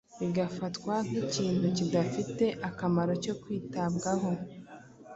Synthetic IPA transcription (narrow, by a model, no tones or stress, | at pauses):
βiɡafatkwan̥iciːn̥hucidafite̞ʔakamaɾo̞co̞kwiːtabɡaɦo̞